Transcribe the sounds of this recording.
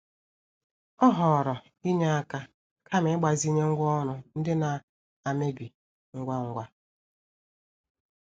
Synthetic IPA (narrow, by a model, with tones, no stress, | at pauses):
ɔ˦ɦɔ˨ɾɔ˨ | i˦ɲa˦a˦ka˦ | kʰa˦me˨˦ɡ͡ba˨zi˦ɲe˦ŋ̩˦ɡʷɔ˦nʊ˨n̩˦dɪ˦na˨ | a˨me˦bi˨ | ŋ̩˦ɡʷa˦ŋ̩˦ɡʷa˦